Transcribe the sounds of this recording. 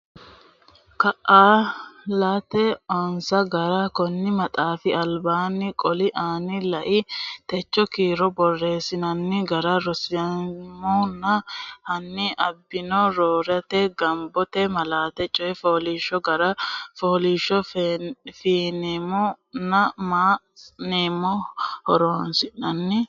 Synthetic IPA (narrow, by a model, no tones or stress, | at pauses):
kɐʔaːlaːt̪ɛɔnsɐɡɐɾakɔnːɪmɐt̪ʼaːfɪɐlbaːnːɪkʼɔlɪʔaːnɪlɐʔɪt̪ɛt͡ʃːɔkiːɾɔbɔrːe̞ːsɪnɐnːɪɡɐɾɐɾɔsɪɐmɔnːɐhɐnːɪʔɐbːɪnɔɾoːɾɐt̪ɛɡɐmbɔt̪ɛmɐlaːt̪ɛt͡ʃʼɔjɛfoːliːʃɔɡɐɾɐfoːliːʃɔ | fiːnɛmɔnɐmaː | neːmɔhɔɾoːnsɪnɐnːɪ